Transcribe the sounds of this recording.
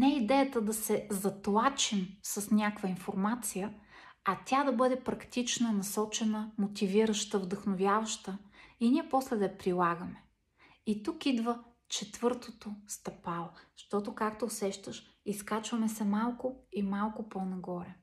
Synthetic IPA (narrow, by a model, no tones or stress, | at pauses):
nɛid̪ɛjət̪əd̪ɐsɛzɐt̪lˠat͡ʃimsɐsnʲakvəinfoɾmat̪sijə | ɐt̪ʲad̪ɐbɤd̪ɛpɾɐkt̪it͡ʃnənɐsɔt͡ʃɛnəmot̪ʲiviɾəʃt̪əvd̪ɐxnovʲjavɐʃt̪əinʲiɛpɔslɛd̪ɐjɐpɾilˠaɡəmɛ | it̪ukid̪və | t͡ʃɛt̪v̥ɤɾt̪ot̪ost̪ɐpalˠoʃt̪ɔt̪okakt̪oːsɛʃt̪əʃ | iskat͡ʃvəmɛsɛmalˠkʊimalˠkoponɐɡɔɾɛ